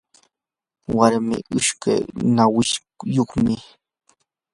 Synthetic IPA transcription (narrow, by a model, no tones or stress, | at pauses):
waɾmɪ̰ʔʊʃka̰jnawɪʃ | joχmɪ